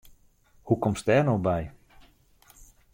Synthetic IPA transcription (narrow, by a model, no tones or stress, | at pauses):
hukɔmstɛːnowbɛj